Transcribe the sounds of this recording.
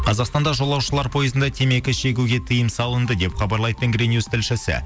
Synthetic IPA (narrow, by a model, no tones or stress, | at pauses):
qʰɑzɑqst̪ɑnd̪ɑʒo̞lˠɑwʃəlˠɑɾpʰo̞jəzənd̪ɑt̪ʰe̞me̞kʲɪʃe̞ɡʲuɡʲe̞t̪ʰəjəmsɑlˠənd̪əd̪e̞pχɑbɑɾlˠɑjt̪əŋɡɾʲenjust̪ɪlʃɪsɪ̰